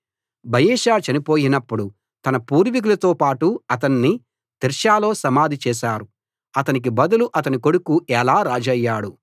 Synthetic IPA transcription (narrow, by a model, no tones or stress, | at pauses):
bʱɐjɛːʃaːt͡ʃɐnipo̞ːjinɐpːuɽu | t̪ɐnɐpuːɾʋik̬ulɐt̪o̞ːpaːʈuɐt̪ɐnːi | t̪iɾʃaːlo̞ːsɐmaːd̪ʱit͡ʃɛːʃaːɾu | ɐt̪ɐnik̬ibɐd̪ɐluʔɐt̪ɐniko̞ɽukuɛlaːɾaːd͡ʒɐjːaːɽu